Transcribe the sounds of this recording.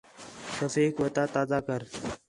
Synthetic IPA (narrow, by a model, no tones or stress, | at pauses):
ʃɐfeːkʋət̪at̪aːzakəɾ